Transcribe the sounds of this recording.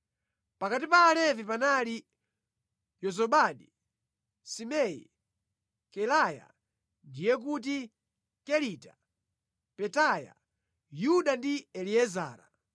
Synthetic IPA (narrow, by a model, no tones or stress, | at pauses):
pakat̬ipaːlɛvipanali | jɔzɔɓaɗi | simɛjḭ | kɛlaja̰ | ndijɛk̬ut̬i | kɛlitḁ | pɛtaja̰ | juɗandiɛliɛza̰ːɾa̰